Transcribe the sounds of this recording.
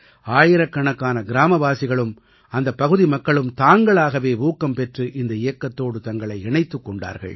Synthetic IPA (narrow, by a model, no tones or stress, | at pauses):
aːjɪɾɐkːɐɳɐkːaːnɐɡɪɾaːmɐʋaːsɪɣɐɭɯm | ɐnd̪ɐpːɐɣɯðimɐkːɐɭɯmt̪aːŋɡɐɭaːɣɐʋeːʋuːkːɐmpɛʈrɯʔɪnd̪ɐɪjɐkːɐt̪ːoːɽɯt̪ɐŋɡɐɭɐɪɛɳɐɪt̪ːɯkːɔɳɖa̰ːɾɣɐ̰ɭ